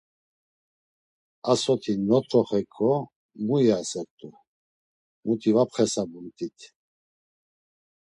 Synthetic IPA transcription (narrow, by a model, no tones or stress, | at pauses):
asɔt̪ʰinɔt̪ʰʼɔχɛkʰʼɔ | mujasɛɾt̪ʼu | mut̪ʰʼivapχɛsabunt̪ʼit̪ʰ